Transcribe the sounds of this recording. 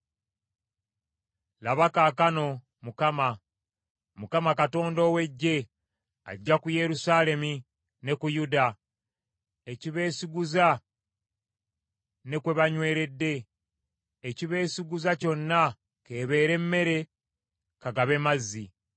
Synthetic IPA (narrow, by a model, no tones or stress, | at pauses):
laβakakano̞ | mukama | mukamakato̞ːndo̞ːwe̞ɟːe̞ | a̰ɟːakuje̞ɾusaːle̞mi | ne̞kujuda | eciβe̞ːsiɡuza | ne̞kwe̞βaɲwe̞ːɾe̞dːe̞ː | ciβe̞ːsiɡuzaco̞nːa | ke̞ːβe̞ːɾe̞mːe̞ɾe̞ | kaɡaβe̞mazːi